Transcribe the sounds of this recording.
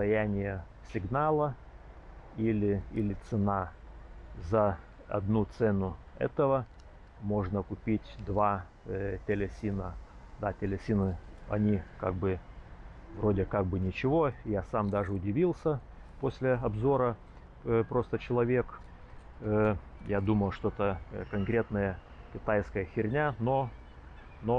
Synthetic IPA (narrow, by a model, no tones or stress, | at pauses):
t̪ɐjænʲɪjə | sʲɪɡnalˠə | ilʲɪilʲɪt̪sɨna | zɐ | ɐ̰d̪nut̪sɛnʊɛ̰t̪əvə | mo̞ʐnəkʊpʲitʲd̪va | tʲɪlʲɪsʲinəd̪atʲɪlʲɪsʲinɨɐ̰nʲika̰ɡ̚bɨ | vɾo̞dʲɪkaɡ̚bɨnʲɪt͡ɕɪvo̞jasamd̪aʐɨʊdʲɪvʲilˠsʲə | posʲlʲɪɐbzo̞ɾə | pɾo̞st̪ət͡ɕɪlˠɐvʲe̞kː | jad̪uməlˠʂt̪oɛt̪əkɐnkɾʲe̞t̪nəjə | kʲɪt̪ajskəjəxʲɪɾʲnʲano | no